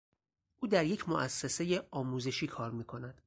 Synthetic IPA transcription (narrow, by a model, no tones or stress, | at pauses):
ʔuːd̪æɾje̞cʰmoʔæsːese̞je̞ɒːmuːze̞ʃiːkʰɒːɾmiːkʰo̞næd̪̥